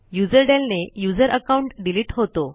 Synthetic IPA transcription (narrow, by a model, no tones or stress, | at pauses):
jud͡zəɾɖelnejud͡zəɾʔəkauɳʈɖiliːʈɦot̪o